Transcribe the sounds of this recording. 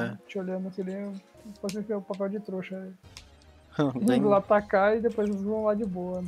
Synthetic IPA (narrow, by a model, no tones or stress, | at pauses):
ɛt͡ʃioʎɐ̃d̪ɐsilẽfosĩkʊpapɛwd͡ʒɪt̪ɾoʃɐi | lat̪akaɪd̪epojzevɐ̃lad͡ʒɪboɐn